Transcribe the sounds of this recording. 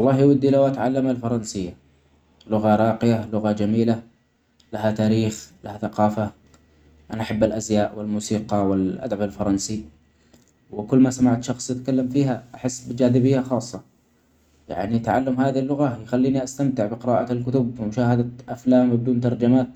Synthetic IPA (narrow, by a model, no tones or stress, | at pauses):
wɑlˤːɑːhjwad̪ːilawʔat̪ʕalːamalfɑɾˤɑnsɪjːa | lʊɣaɾˤɑːqɪjalʊɣad͡ʒamiːla | laɦat̪aːɾiːxlahaθaqɑːfa | ʔanaʔaħabːalʔazjaːʔwɪlmuːsiːqɑwɪlʔa̰d̪abalfɑɾˤɑnsi | wɪkʊlːmasamaʕt̪ʃɑxsˤtɪt̪kalːamfiːɦaʔaħɪsːbɪd͡ʒaːðɪbɪjːaxɑːsˤːɑ | ja̰ʕnit̪ʕalːamhaːðilːʊɣajxalːiːniʔast̪amt̪ɪʕbɪqɪɾaːʔalkʊt̪ʊbmʊʃaːhad̪aʔaflaːmbɪd̪uːnt̪̬ɑɾˤd͡ʒamaːt̪̚